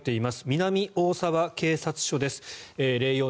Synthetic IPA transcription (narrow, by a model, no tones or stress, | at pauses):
t̪ːe̞imasɨ̥mʲinamʲiʔo̞ːsaβake̞ːsat͡sɨ̥ɕo̞d̪e̞sɨ̥eɾe̞ːjo̞ː